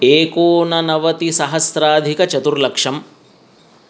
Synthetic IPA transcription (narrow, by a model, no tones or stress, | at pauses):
eːkoːnɐnɐʋɐt̪isɐɦɐsɾaːd̪ʱikɐt͡ʃɐt̪uɾlɐkʂɐm